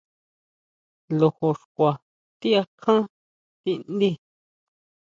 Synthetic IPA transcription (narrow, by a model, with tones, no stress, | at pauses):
lo˧ho˨ʂkʷa˨ | t̪i˦a˧kʰã˦ | t̪i˧nd̪i˦˨